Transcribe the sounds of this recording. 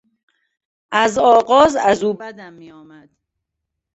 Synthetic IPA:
ʔæzɒːɣɒːzæzuːbæd̪æmːiːɒːmæd̪̥

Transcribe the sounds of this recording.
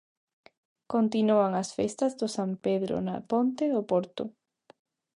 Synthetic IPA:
kont̪inuaŋasfest̪ɐzðʊsampeðɾʊ̰napont̪eðʊpoɾt̪ʊ

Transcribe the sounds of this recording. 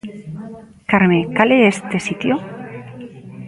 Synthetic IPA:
kaɾmekaleest̪esit̪jo

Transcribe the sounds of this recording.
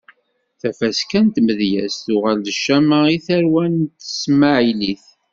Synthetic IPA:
θæfæskænt̪məðjæ̰sθʊʁæld̪əʃːæməiθæɾwænt̪ə̥sməʕiliθ

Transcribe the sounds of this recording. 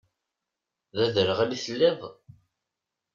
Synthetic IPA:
ðæðəɾəʁæliθəlːɪðˤ

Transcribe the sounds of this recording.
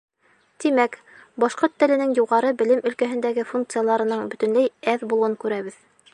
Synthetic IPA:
t̪imæk | bɑʃqoɾt̪ːɘ̆lɘ̆nɘŋjuʁɑɾɤbɘ̆lɘmɵ̆lkæɦɘ̆nd̪æɡɘfuŋk̚t̪sɨjalˠɑɾɤ̆nɤɴbɵ̆t̪ɵ̆nlæjæðbulˠuɤŋkʉɾæβɘð

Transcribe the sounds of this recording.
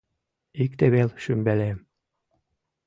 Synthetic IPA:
ikt̪eβelʃymbælem

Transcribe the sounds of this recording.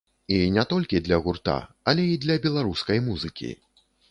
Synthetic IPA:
inʲɛt̪ɔlʲkʲid̪lʲɐɣurt̪a̰ɐlʲɛid̪lʲɐbʲɛlˠaɾuskɐjmuzɨkʲḭ

